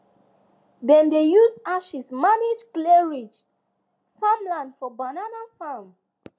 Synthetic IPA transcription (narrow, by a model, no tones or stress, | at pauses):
dɛ̃mdejuzaʃismanid͡ʒklɛɹid͡ʒ | fãmlãndfɔbananafam